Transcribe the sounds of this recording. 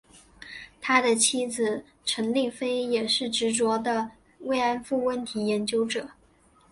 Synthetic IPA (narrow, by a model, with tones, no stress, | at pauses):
t̪ʰa˥d̪ə˨t͡ɕʰi˥d͡zɹ̩˨˩ | ʈ͡ʂʰə˧˥ŋli˥˩fe˥ɪjɛ˨˩ʂɻ̩˥˩ʈ͡ʂɻ̩˧˥t͡swɔ˧˥d̪ə˧ | we˥˩ɪa˥nfu˥˩wə˥˩nt̪ʰi˧˥jɛ˧˥nt͡ɕjo˥ʊʈ͡ʂɤ˨˩˦